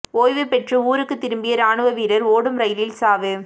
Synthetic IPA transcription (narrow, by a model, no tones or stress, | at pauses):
oːjʋɯpɛʈrɯuːɾɯkːɯt̪ːɪɾɯmbɪjɐɾaːɳɯʋɐʋiːɾɐɾoːɽɯmɾɐjlɪlsaːʋɯ